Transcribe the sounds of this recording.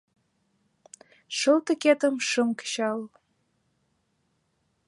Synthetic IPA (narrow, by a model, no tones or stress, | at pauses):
ʃəlt̪ə̆kʲet̪əmʃəmkɕɑl